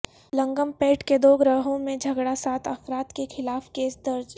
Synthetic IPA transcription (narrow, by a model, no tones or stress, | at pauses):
lɐ̃ŋɡəmpẽːʈked̪oːɡɾaːɦõmẽd͡ʒʱɐɡɽasaːt̪ʰɐfɾaːt̪kexʰɪlaːfkeːsd̪ɐɾd͡ʒ